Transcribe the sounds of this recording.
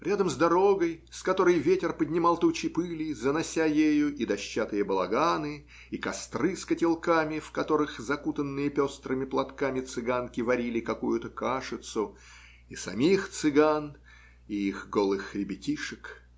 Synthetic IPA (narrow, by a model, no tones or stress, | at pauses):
ɾʲad̪əmzd̪ɐɾo̞ɡəjskɐt̪o̞ɾəjvʲetʲɪrpədʲnʲɪmalˠt̪ut͡ɕɪpɨlʲɪjzənɐsʲajejʊʔid̪ɐɕːat̪ɨjəbəlˠɐɡanɨ | ikɐst̪rɨskətʲɪlˠkamʲɪfkɐt̪o̞ɾɨxzɐkut̪ənːɨjəpʲost̪ɾɨmʲɪplˠɐt̪kamʲɪt̪sɨɡankʲɪvɐɾʲilʲɪkɐkujʊt̪əkaʂɨt̪sʊ | isɐ̰mʲixt̪sɨɡan | iixɡolˠɨxɾʲɪbʲɪtʲiʂɨk